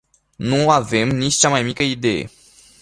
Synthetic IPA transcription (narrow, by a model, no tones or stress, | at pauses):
nuave̞mnit͡ʃʲt͡ʃamajmikəid̪e̞jḛ